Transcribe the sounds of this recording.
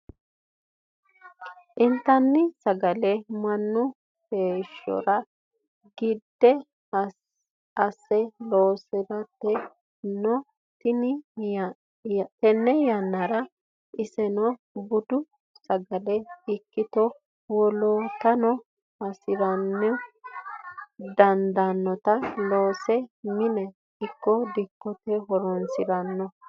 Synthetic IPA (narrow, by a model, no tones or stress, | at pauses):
ʔɪnt̪ːɐnːɪsɐɡɐlɛmɐnːʊ | heːʃːɔ̰ɾɐ | ɡɪd̪ːɛ | ɐsɛloːsɛɾɐt̪ːɛ | nɔ | t̪ɪnɪ | t̪ɛnːɛjɐnːɐɾɐ | ɪsɛnɔ | bʊd̪ʊ | sɐɡɐlɛɪkːɪt̪ɔ | wɔlɔt̪ɐnɔ | ɐsɪɾɐnːɛ | d̪ɐnd̪ɐnːɔt̪ɐloːsɛmɪnɛ | ɪkːɔd̪ɪkːɔt̪ɛɦɔɾɔnsɪɾɐnːɔ